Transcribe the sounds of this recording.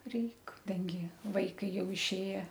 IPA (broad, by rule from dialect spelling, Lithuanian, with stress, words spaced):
ˈrʲɛɪk ˈdɐŋʲɡʲɪ ˈʋɐɪkɐɪ ˈjɛʊ ɪʃʲˈeːjɛ